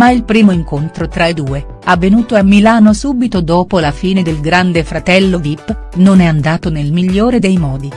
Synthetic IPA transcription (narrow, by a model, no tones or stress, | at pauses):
mailpɾiːmoiŋkont̪ɾot̪ɾaed̪uːe | avːenuːt̪oamːilaːnosuːbit̪od̪oːpolafiːned̪elɡɾand̪efɾat̪ɛlːod̪ipːnonɛand̪aːt̪onelmiʎːoːɾed̪ejmɔːd̪i